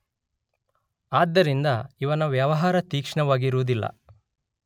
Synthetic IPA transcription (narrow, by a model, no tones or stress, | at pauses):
aːd̪ːɐɾind̪ɐiʋɐnɐʋjɐʋɐɦaːɾɐt̪iːkʂɳɐʋaːɡiɾuːd̪ilːɐ̰